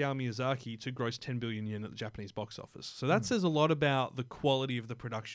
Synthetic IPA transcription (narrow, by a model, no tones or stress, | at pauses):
ælˠmiɨzɑɹkʰiɾɨɡɹoʊstʰɛ̃nbɪlˠjɨ̃njɪ̃nɨt̪̚ðɨd͡ʒæpənizbɔksɔ̰fə̰sːoʊðətsɛzəlɔɾəbaʊt̪̚ðɨkʰw̥ɑlˠəɾiʌvðɨpʰɹ̥ɨdʌkʃ